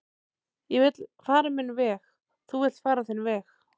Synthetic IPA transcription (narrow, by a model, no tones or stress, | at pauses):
jɛvɪt̪lfaːɾamɪnvɛːx | θuvɪlt̪faːɾaθɪnvɛːx